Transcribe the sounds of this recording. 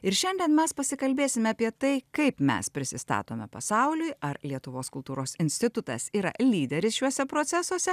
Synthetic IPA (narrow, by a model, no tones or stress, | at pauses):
ɪɾʃʲɛnʲd̪ʲɛnmʲɛspɐsʲɪkɐlʲbʲeːsʲɪmʲɛɑːpʲiɛt̪ɐɪkɐɪpmʲɛ̰spʲɾʲɪsʲɪst̪ɑ̰ːt̪oːmʲɛpɐsɑʊlʲʊjɐɾlʲiɛt̪ʊʋoːskʊlˠt̪uːɾoːsɪnʲsʲt̪ʲɪt̪ʊt̪ɐ̰siːɾɐ̰lʲiːd̪ʲɛɾʲɪsʃʲuɔsʲɛpɾoːt̪sʲɛsuɔsʲɛ